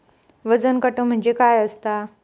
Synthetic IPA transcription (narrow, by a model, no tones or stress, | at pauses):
ʋəd͡zənkəʈõm̤ə̃ɲd͡ʑekaːjəst̪a